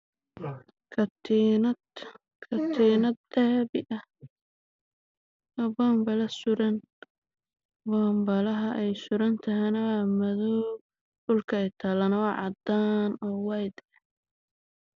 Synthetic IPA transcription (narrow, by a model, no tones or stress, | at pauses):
kʰɐt̪ːnɐ | kʰɐt̪ʰiːnɐd̪ɛːβɪʔɐ | ɔbɔːmbɐlɐsʊɾɐn | bɔːmbɐlɐɦɐʔɛjsʊɾɐnt̪ʰɐɦɛnɐwaːmɐðɔː | ɖʊlkʰɐɛjt̪ʰaːlɐnwɑʕɑ̰d̪aːnɔːwɑjd̪ɛ